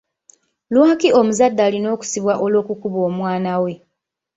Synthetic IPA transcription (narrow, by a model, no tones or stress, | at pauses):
lwaːkio̞muzadːalino̞ːku̥siβwaʔo̞lo̞ːkukuβo̞ːmwaːnawe̞